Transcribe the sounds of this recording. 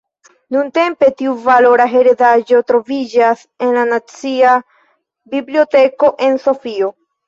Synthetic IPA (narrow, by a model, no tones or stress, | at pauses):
nunte̞mpe̞tiuvalo̞ɾaɦe̞ɾedad͡ʒo̞tɾo̞vid͡ʒas | e̞nlanat͡sia | biblio̞te̞ko̞ʔe̞nso̞fio̞